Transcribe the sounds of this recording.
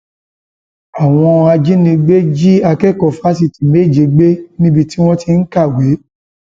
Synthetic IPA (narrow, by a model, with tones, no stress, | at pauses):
a˨w̃ɔ̃˧a˧d͡ʒi˦nĩ˧ɡ͡be˦d͡ʒi˦a˧kɛ˦˨kɔ˨fa˦s̬i˧˨ti˨me˦˨d͡ʒe˨ɡ͡be˦nĩ˦bi˧ti˦w̃ɔ̃˦ti˧n̩˦ka˦˨we˨˦